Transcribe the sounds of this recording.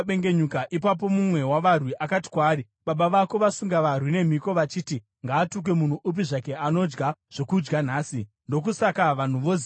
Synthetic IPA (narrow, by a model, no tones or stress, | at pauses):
ɓeŋɡe̞ɲukaʔipap̬o̞mumwe̞waʋarwiʔakati̥kwaːɾi | ɓaɓaʋako̞ʋasuŋɡaʋarwine̞m̤iko̞ʋat͡ʃiːti | ŋɡaːtuk̬we̞mun̤uʔup̬iʐake̞ano̞d͡ʒɡaʐ̥o̞kud͡ʒɡan̤aːsi | ndo̞k̬usakaʋan̤uʋo